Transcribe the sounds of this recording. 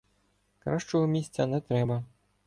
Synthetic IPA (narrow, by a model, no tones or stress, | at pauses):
kɾaʃt͡ʃɔɦɔmʲisʲt͡sʲːɐnɛt̪ɾɛbɐ